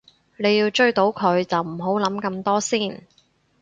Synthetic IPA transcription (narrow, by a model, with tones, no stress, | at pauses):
ne˨˧jiː˧wt͡ʃɵ˥ɥt̪o˨˧˥wkʰɵ˨˧ɥt͡sɐ˨wm̩˨˩ɦo˨˥wlɐ˨˥mkɐ˧mt̪ɔː˥siː˥˩n